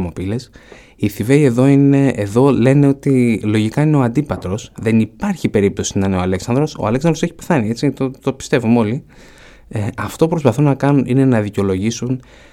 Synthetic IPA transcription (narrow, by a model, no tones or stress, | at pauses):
mopile̞s | iθive̞ie̞ðo̞ine̞ːðo̞le̞ne̞o̞t̪ilo̞ʝikɐine̞o̞ɐnd̪ipɐt̪ɾo̞sðe̞nipɐɾçipe̞ɾip̚t̪o̞sinɐneo̞ɐleksɐnd̪ɾo̞so̰ɐleksɐnd̪ɾose̞çi̥peθɐnie̞t͡sit̪ot̪o̞pi̥st̪e̞vumo̞li | eɐft̪oupɾo̞spɐθunɐkɐnunine̞nɐðiceo̞lo̞ʝisun